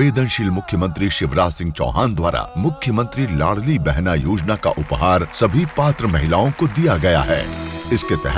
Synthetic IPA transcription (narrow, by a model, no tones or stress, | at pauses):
eːd̪ənʃilmʊkʰjəmə̃nt̪ɾiʃɪʋɾaːsɪ̃ŋɡ̚t͡ʃɔ̰ːɦaːnd̪waːɾa̰mʊkʰjəmə̃nt̪ɾilaːɽ̤libɛɦnajoːd͡ʒnaka̰ʔʊpɦaːɾsɐbʱipaːt̪ɾəmɐɦɪlaːõkod̪ijaɡɐja̰ɦɛ̰ːɪsket̪ɛɦ